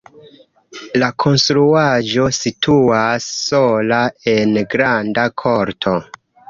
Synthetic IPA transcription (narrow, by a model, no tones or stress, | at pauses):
lakʰo̞nstɾuad͡ʒo̞sitʰuasːolae̞nɡɾandakʰoɾtʰo̞